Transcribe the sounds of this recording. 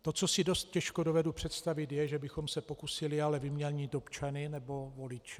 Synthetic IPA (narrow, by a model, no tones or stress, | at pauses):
t̪o̞t͡so̞sɪdo̞st̪̚cɛʃkodo̞vɛdupr̥ɛt̪st̪avɪt̪jɛʒɛbɪxo̞msɛpokusɪlɪalɛvɪmɲɛlɲiːt̪opt͡ʃanɪnɛbo̞vo̞lɪt͡ʃɛ